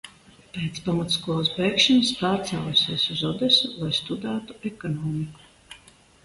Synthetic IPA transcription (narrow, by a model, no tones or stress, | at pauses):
peːt̪spamɔt̪skuɔsbɛjkʃɨnspaːɾt̪saːɔsʲiɛsuzɔd̪ɛsulˠajst̪ud̪aːt̪uɛkɔnɔːmiku̥